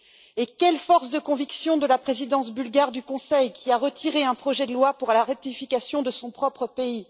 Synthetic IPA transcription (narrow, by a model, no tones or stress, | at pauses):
ekʲɛlfɔʁsd̪əkɔ̃viksjɔ̃d̪əlapχezid̪ɑ̃sbylɡaʁd̪ykɔ̃sɛjkʲiaʁət̪ʰiʁeɛ̃pχɔʒɛd̪əlwapuʁlaʁɛk̚t̪ifikʲasjɔ̃d̪əsɔ̃pχɔpχəpei